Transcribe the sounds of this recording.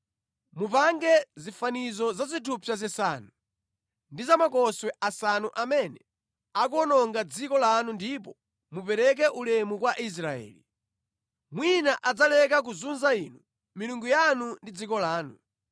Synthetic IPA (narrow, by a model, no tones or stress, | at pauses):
mupaŋɡɛzifanizɔzazitʰupʰjazɛsa̰nu | ndizamakɔswɛʔasanuʔamɛnɛ | ak̬uɔnɔŋɡad͡zikɔlanundipɔ | mupɛɾɛk̬ɛʔulɛmukwaʔis̬ɾaɛ̰ːli | mwinaʔad͡zalɛk̬ak̬uzunzainu | miluŋɡujanundid͡zikɔlaːnu